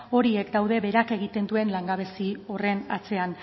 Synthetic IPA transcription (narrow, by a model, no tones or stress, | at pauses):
o̞ɾie̞kd̪awðe̞βe̞ɾake̞ɣ̞it̪e̞nd̪ue̞nlaŋɡaβ̞e̞sio̞re̞na̰t͡se̞an